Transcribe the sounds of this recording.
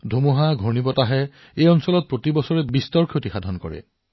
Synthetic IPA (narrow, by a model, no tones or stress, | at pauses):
dʱumɔɦaɡʱɔɹnibɔtaɦɛ | ejɔnsɔlɔt̚pɹotibɔsɔɹɛbistɔɹkʰjotixadʱɔnkɔ̰ɹɛ̰